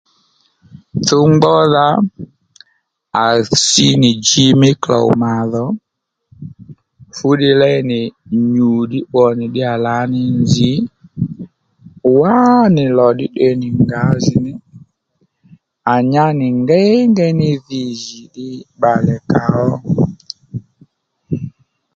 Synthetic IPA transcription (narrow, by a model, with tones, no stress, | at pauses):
tʊ˦ŋ͡mɡ͡bɔ˦ða˦ | a˨si˦nɪ˨d͡ʒi˦mɪ˦klɔ̰˨ma˨ðɔ˨˦ | fu˨˦ɗɪ˦lɛ˦nɪ˨ɲu˨ɗɪ˦wɔ˨nɪ˨ɗɪ˦a˨la˨˦nɪ˨nd͡zi˨˦ | wa˦nɪ˨lɔ˨ɗɪ˦ɗɛ˨nɪ˨ŋɡa˨˦zɪ˨nɪ˦ | a˨ɲa˦nɪ˨ŋɡɛ˦ŋɡɛ˦nɪ˦ði˨zi˨ɗɪ˦ɓa˨lɛ˨ka˨ɔ˦